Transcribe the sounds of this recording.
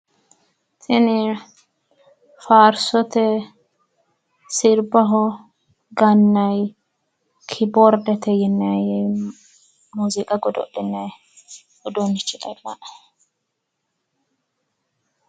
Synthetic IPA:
t̪ʰɪnɪ | faːɾsɔt̪ɛ | sɪɾbɐɦɔ | ɡɐnːɐj | kʰɪbɔɾd̪ɛt̪ɛjɛnːɐjɛj | muːzɪkʼɐɡɔd̪ɔ̰ɗɪnːɛj | ɔd̪ɔnːɪt͡ʃʼːɪt̪ʼɐlːaʔ

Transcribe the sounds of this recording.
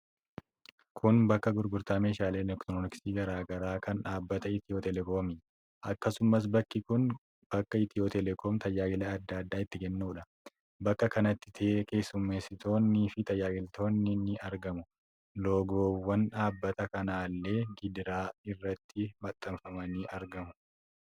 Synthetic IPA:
kʰʊnbɐkːɐɡʊɾɡʊɾt̪aːme̞ːʃaːle̞ːnɛkt̪onɪksiːɡɐɾaːɡɐɾaːkɐnᶑaːbːɐt̪ɐɪt̪ɪjo̞ːt̪ɛlɛkoːmɪ | ʔɐkːɐsʊmɐs̬bɐkːɪkʊn | b̥ɐkːɐɪt̪ɪjoːt̪ɛlɛkɔːmt̪ʰɐjːaːɡɪlɐːd̪ːaɐd̪ːaːɪt̪ːɪɡɛnːuːᶑɐ | bɐkːɐkɐnɐt̪ːɪ̥t̪ʰeːke̞ːsːʊmːe̞ːsːɪt̪o̞ːnːiːfɪt̪ɐjːaːɡɪlt̪ʰo̞ːnːɪnɪɐɾɡɐmʊ | loːɡoːwːɐnᶑaːbːɐt̪ɐkɐnaːlːe̞ːɡɪd̪ɾaːɪrːɐt̪ːɪmɐt̪ʼːɐɱfɐmɐniːʔɐɾɡɐmʊ̥

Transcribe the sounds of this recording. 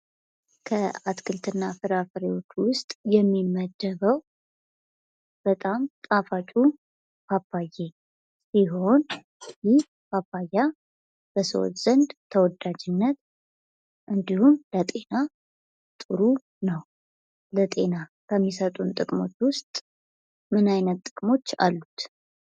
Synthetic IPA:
kʰəat̪kʰɨlt̪ʰɨnːafɨɾafəɾewo̞t͡ʃːwʊst̪ʼjɛmːiməd̪ːəβəw | b̥ət̪ʼamt̪ʼafat͡ʃʼu | fʰapːajːe̞ | siɦo̞n | jɪh | fapːajːa | b̥əso̰w̰tz̥ənd̪t̪ʰəwɔd̪ad͡ʒɪnːət̪ | ʔɨnd̪ihumlət̪ʼe̞na | t̪ʼɨɾu | nəw | lət̪ʼe̞nakʰəmːisət̪ʼunt̪ʼɨkʼmo̞̰t͡ʃːwʊst̪ʼ | mɨnajnət̪ːʼɨkʼmo̞t͡ʃːa̰lːut̪

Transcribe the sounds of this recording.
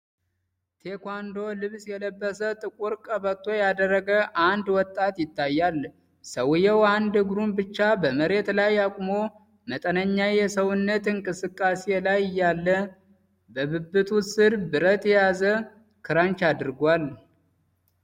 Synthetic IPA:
t̪ʰe̞kʷand̪o̞lɨβsjɛləbːəsət̪ʼɨkʼuɾkʼəbət̪ʰʼːo̞jad̪ərːəɡəʔand̪wɔt̪ʼːat̪jɪt̪ʰːajːal | səwjɛwand̪ɨɡɾumbɨt͡ʃːabəməɾe̞t̪lajːakʼumo̞ | mət̪ʼənəɲːajɛsəwʊnːət̪ɨŋkʼɨsɨkʼːase̞lajɪjːalːə | bəβɨbːɨt̪ʰusɨɾbɨɾət̪ʼjɛjazə | kʰɨɾant͡ʃad̪ɨɾɡʷal

